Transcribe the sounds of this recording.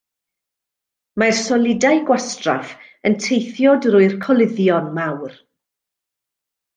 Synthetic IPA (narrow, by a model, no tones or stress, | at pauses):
marsɔlˠɪdajɡwastra̰f | əntʰejθjɔdrʊɨrkʰɔlˠɪðjɔnmawr